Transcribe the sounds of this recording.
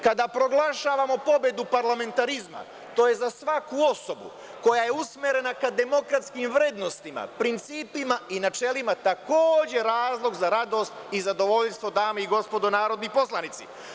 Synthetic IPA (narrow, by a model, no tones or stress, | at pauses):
kad̪apɾo̞ɡlˠaʃaːʋamo̞po̞be̞d̪upaɾlame̞nt̪aɾizma̰ | t̪o̞ːje̞zasʋakuo̞so̞bṵ | ko̞jaje̞usmeɾe̞nakad̪e̞mo̞kɾat̪skimʋɾed̪no̞st̪ima̰pɾint̪siːpimaʔinat͡ʃe̞limat̪ako̞ːd͡ʑe̞ɾaːzlˠo̞ɡzaɾad̪o̞ːst̪izad̪o̞ʋo̞ʎst̪ʋo̞d̪aːmaiɡo̞spo̞d̪onaːɾo̞d̪nipo̞slˠanit̪sḭ